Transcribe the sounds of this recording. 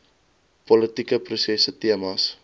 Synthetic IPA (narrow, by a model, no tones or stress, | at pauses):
pɔlətikəprusɛsətiəmas